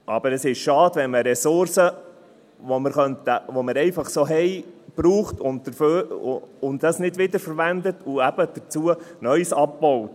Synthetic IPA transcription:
ʔɑ̰b̥əɾəsɪʃʃɑːd̥ʋɛnməɾɛsʊɾsə | ʋɔməɾχœntəʋoməɾɛɪfɑχsoːɦɛjb̥ɾuːχtʊnddəɾfø | ʊnddɑsnɪdʋɪd̪əɾfəɾʋænd̪ətʰʊæb̥əd̥ət͡suənœʏsɑp̚bɔwt

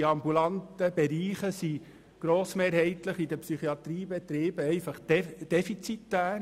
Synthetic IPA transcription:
iɑmbulɑnt̪əbɛɾiːχəsi | ɡ̥ɾoːsmeːɾɦɛɪt̪ləχidəpsyχiɑt̪ɾiːbɛt̪ɾeːbəɛɪfɑχd̪̥ɛfit͡sit̪ːæː

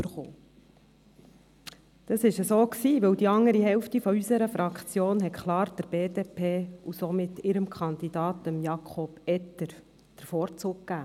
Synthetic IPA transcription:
ybəɾχo̰ː | d̪̥ɑsɪʃəsoːksiːʋɵwd̪iɑŋːəɾihɛwftifɔysəɾəfɾɑkt͡sjoːnɦɛtkʰlɑːɾd̥əɾb̥eːdeːpʰeːusomɪt̪ɪɾəmkʰχɑnd̪id̥̪ɑːt̪əmjɑkʰɔb̥ɛt̪əɾ | d̪̥əɾfɔːɾt͡suːk̚kːæː

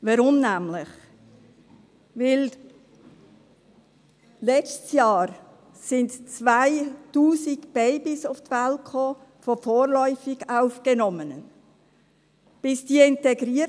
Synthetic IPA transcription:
vaɾʊmnæmlɪχ | vɪl | lɛt͡stsjɑːɾ | sɪndt͡svaɪtuːsikb̥ɛɪbɪsʊftvɛlkʰoː | fɔfoːɾlɔʏfɪɡaʊfɡ̥ənɔmənə̰n | b̥ɪsd̥iːɪntɛɡɾiː

